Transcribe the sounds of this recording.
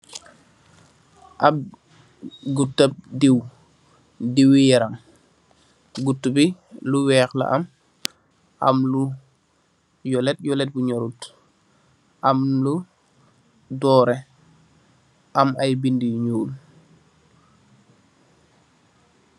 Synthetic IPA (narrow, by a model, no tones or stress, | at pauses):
ʔab̚ | ɡutːəp̚diw | diwijɛɾaŋ | ɡutːubi | luwɛːkla̰ʔa̰m | ʔa̰mlu | jɔlɛt̚jɔlɛt̚buɲɔɾut | ʔamlu | dɔːɾe | ʔɐmajbindijɲuːl